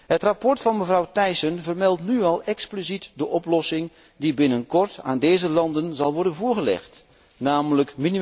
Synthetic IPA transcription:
hətrapɔɹtfɑnməvrɑwtɛjsənvərmɛlˠtnyɑlˠɛksplizitdəʔɔplɔsɪŋ | dibɪnənkɔrtʰa̰ːndeːzəlɑndənzɑlˠʋɔɹdənvʊːɹɣəlɛ̰xt | naːmləkmini

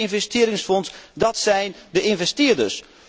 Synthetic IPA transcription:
ɪnvɛstɪːɾɪŋsfɔnsdɑtsɛjndəʔɪnvɛstɪːɹdəs

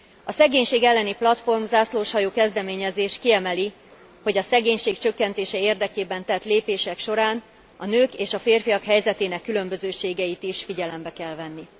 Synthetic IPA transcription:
ɒsɛɡeːɲʃeːɡɛlːɛniplɒt̪fo̞rmzaːsloːʃhɒjoːkɛzd̪ɛmeːɲɛzeːʃkiɛmɛli | ho̞ɟɒsɛɡeːɲʃeːkt͡ʃø̞kːɛnt̪eːʃɛeːrd̪ɛkeːbɛnt̪ɛt̪leːpeːʃɛkʃo̞ɾaːn | ɒnøːkeːʃɒfeːrfijɒkhɛjzɛt̪eːnɛkːylø̞mbøzøːʃeːɡɛit̪iʃfiɟɛlɛmbɛkɛlvɛnːi

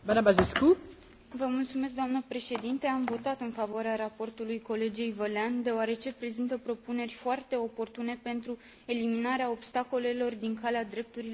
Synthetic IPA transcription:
banabazesku | vəmult̪sume̞s̬k̚d̪oamnəpɾe̞ʃe̞d̪int̪e̞amvo̞t̪at̪ɨnfavoaɾeaɾapo̞rt̪ulujko̞le̞d͡ʒejvəleand̪e̞oaɾe̞t͡ʃe̞pɾe̞zint̪əpɾo̞pune̞rʲfoart̪e̞o̞po̞rt̪une̞pe̞nt̪ɾu | e̞liminaɾeao̞bst̪ako̞le̞lo̞rd̪iŋkalead̪ɾe̞p̚t̪uɾil

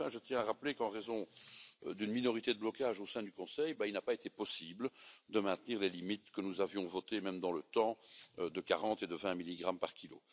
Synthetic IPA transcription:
fɛ̃ʒət̪jɛ̃aʁaplekɑ̃ʁezɔ̃ | d̪ynminɔʁit̪ed̪əblɔkaʒosɛ̃d̪ykɔ̃sɛjbailnapaet̪epɔsibld̪əmɛ̃t̪niːʁlelimit̪kənuzavjɔ̃vɔt̪emɛmd̪ɑ̃lət̪ɑ̃ød̪əkaʁɑ̃t̪ed̪əvɛ̃miliɡʁampaʁkʲilo̰

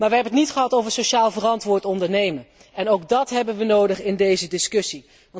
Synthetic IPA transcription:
maːɹʋəɦɛbənətnitχəɦɑtowvəɹsoʃaːlˠvərɑntʋʊːɹtɔndəɹnejmən | ɛnowɡ̚dɑtɦɛbənʋənowdəχɪndejzədɪskɵsi | ʋɑ

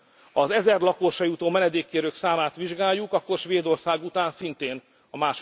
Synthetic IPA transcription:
ɒzɛzɛrlɒkoʃɒjut̪oːmɛnɛd̪eːkːeːɾøːksaːmaːt̪ʋiʒɡaːjːukɒkːo̞rʃʋeːd̪o̞rsaːɡut̪aːnsint̪eːn | ɒmaːʃ

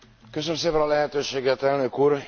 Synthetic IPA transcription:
kø̞søømseːpɛnɒlɛɦɛt̪øːʃeːɡɛt̪ɛlnø̞kuːr

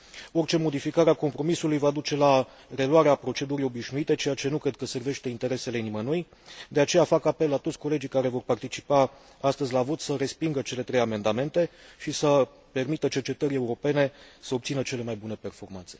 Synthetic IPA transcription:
o̞rt͡ʃe̞mo̞d̪ifikaɾeako̞mpɾo̞misulujvad̪ut͡ʃe̞la | re̞luwaɾeapɾo̞t͡ʃe̞d̪uɾijo̞biʃnuit̪e̞t͡ʃe̞jat͡ʃe̞nukɾe̞d̪̚kəse̞rve̞ʃt̪e̞int̪e̞ɾe̞se̞le̞nimənuj | d̪e̞at͡ʃe̞jafakape̞lːat̪ot̪sʲko̞le̞d͡ʒijkaɾe̞vo̞rpart̪it͡ʃi̥pa | ast̪əzʲlavo̞t̪səɾe̞spiŋɡət͡ʃe̞le̞t̪ɾe̞jame̞nd̪ame̞nt̪e̞ʃisə | pe̞rmit̪ət͡ʃe̞rt͡ʃe̞t̪əɾʲe̞uɾo̞pe̞ne̞səo̞b̚t̪sinət͡ʃe̞le̞majbune̞pe̞rfo̞rmanse̥

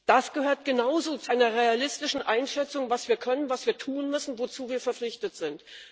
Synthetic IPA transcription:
d̥asɡ̥əhøːɐtɡ̥ənaʊzoːt͡suʔaɪnɐʁealɪstɪʃn̩ʔaɪnʃɛt͡sʊŋvasv̥iːɐkʰœnənvasv̥iːɐtʰuːnmʏsn̩vot͡suːviːɐfɛɐflɪçtətz̥ɪnt

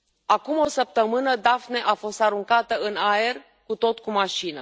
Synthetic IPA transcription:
akumo̞səp̚t̪əmɨnəd̪afne̞ʔafo̞st̪aɾuŋkat̪əɨnae̞r | kut̪o̞t̪kumaʃinə

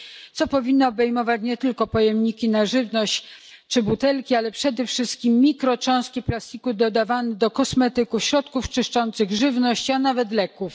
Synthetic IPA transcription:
t̪sɔpɔvʲinːɔːbɛjmɔvat͡ɕɲɛt̪ɘlkɔpɔjɛmɲikʲinaʐɘvnɔɕt͡ɕ | t͡ʂɘbut̪ɛlkʲialɛpʂɛd̪ɛfʂɘst̪̚kʲimːʲikɾɔt͡ʂɔ̃w̃skʲiplast̪ʲikud̪ɔd̪avanɛd̪ɔkɔsmɛt̪ɘkufɕɾɔt̪kuft͡ʂɘʂt͡ʂɔnt̪sɘɣʐɘvnɔɕt͡ɕanavɛt̪lɛkuf

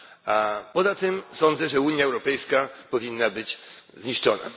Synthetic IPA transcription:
apɔzat̪ɘmsɔnd̪zɛʐɛuɲjaɛwɾɔpɛjskapɔvʲinːabɘd͡ʑzɲiʂt͡ʂɔ̰na̰

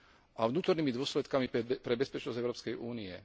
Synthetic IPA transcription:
ʔaʋnuːt̪ɔɾniːmid̪ʊɔslɛt̪kamipɾɛbɛspɛt͡ʃnɔzɟɛʊɾɔːpskɛjʔuːniɛ̰

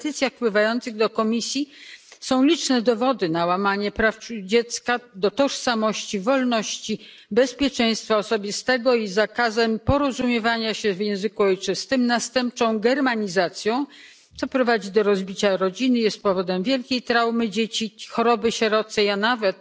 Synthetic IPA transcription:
t̪ɘt̪sʲjaxpwɘvajɔnt̪sɘɣd̪ɔkɔmʲisʲjisɔ̃w̃lʲit͡ʂnɛd̪ɔvɔd̪ɘnawamaɲɛpɾafud͡ʑɛt̪skad̪ɔt̪ɔʂsamɔɕt͡ɕivɔlnɔɕt͡ɕi | bɛspʲjɛt͡ʂɛj̃st̪faɔsɔbʲist̪ɛɡɔizakazɛmpɔɾɔzumʲjɛvaɲaɕɛvjɛ̃w̃zɘkuɔjt͡ʂɘst̪ɘmnast̪ɛmp̚t͡ʂɔ̃w̃ɡɛɾmaɲizat̪sʲjɔ̃w̃ | t̪sɔpɾɔvad͡ʑid̪ɔɾɔzbʲit͡ɕaɾɔd͡ʑinɘjɛst̪̚pɔvɔd̪ɛmvʲjɛlkʲejt̪ɾawmɘd͡ʑet͡ɕixɔɾɔbɘɕɛɾɔt̪sɛjanavɛt̪̚

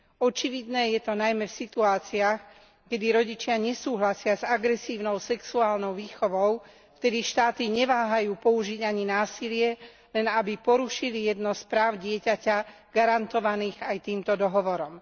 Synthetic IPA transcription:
ɔt͡ʃiʋid̪nɛːjɛt̪ɔnajmɛfsit̪uaːt͡siax | kɛd̪iɾɔɟit͡ʃɪaɲɛsuːɦlasɪazaɡɾɛsiːʊnɔʊsɛksuaːlnɔʊʋiːxɔʋɔʊ | ft̪ɛd̪iʃt̪aːt̪iɲɛʋaːɦajuːpɔuʒiɟaɲinaːsilɪɛ | lɛnabipɔɾuʃilijɛd̪nɔspɾaːʊɟɪɛcaca | ɡ̥aɾant̪ɔʋaniːɣajt̪iːmt̪ɔd̪ɔɦɔʋɔɾɔm

